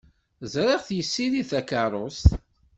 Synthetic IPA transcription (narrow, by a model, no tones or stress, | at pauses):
zɾˤɪʁθjəsːiliθækaɾˤʊst̪